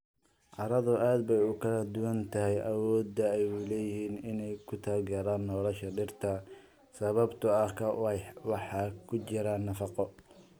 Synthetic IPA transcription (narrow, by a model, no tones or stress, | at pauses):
ʕɑɾɐðʊaːd̪bɛjʊkʰɐlɐd̪ʊwɐnt̪ʰɐɦɛjʔɐwɔːd̪ːɐɛjʊlɛːjɪhiːnɪnɛjkʰʊt̪ʰaːlɡɛːɾaːnːɔːlɐʃɐɖɪrt̪ʰɐ | sɐβɐbt̪ʰʊɐkʰɐwɑħɑːkʰʊt͡ʃɪɾanːɐfɑqɔ